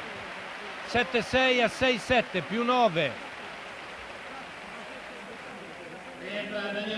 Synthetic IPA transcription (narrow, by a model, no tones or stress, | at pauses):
sɛt̪ːesɛjasɛjsɛt̪ːepjunɔːve